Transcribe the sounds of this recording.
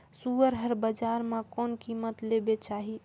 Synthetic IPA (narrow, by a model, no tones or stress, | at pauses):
suəɾɦəɾbəd͡ʒaɾmẽkonkimət̪lebet͡ʃaɦi